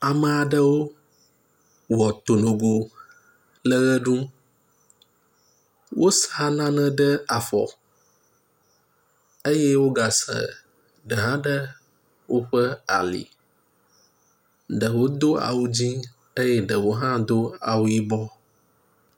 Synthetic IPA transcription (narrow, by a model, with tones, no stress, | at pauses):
a˨mə˨a˨ɖə˦wo˦ | wɔ˨t̪o˨nõ˨ɡo˨ | lə˦ɣə˦ɖũ˦ | wo˦sa˦nã˦nə̃˦ɖə˦a˨fɔ̰˨ | ə˦jɛ˦wo˦ɡa˨sə̰˨ | ɖə˨ɦã˦ɖə˦ | wo˦ɸə˦a̰˨lḭ˨ | ɖə˨wo˦d̪o˦a̰˨wu˦d͡ʑĩ˦ | ə˦jɛ˦ɖə˨wo˦ɦã˦d̪o˦a̰˨wu˦ji˦bɔ˦